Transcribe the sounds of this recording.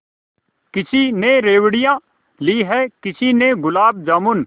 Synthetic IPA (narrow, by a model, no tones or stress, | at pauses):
kɪt͡ʃʰineɾeːwɽɪjãː | liːɦɛːkɪt͡ʃʰineɡʊlaːb̚d͡ʒaːmʊn